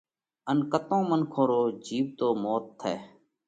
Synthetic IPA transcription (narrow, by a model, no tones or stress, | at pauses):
ənkət̪õːmənkʰõːɾoːd͡ʒiːʋt̪oːmoːt̪ʰːeː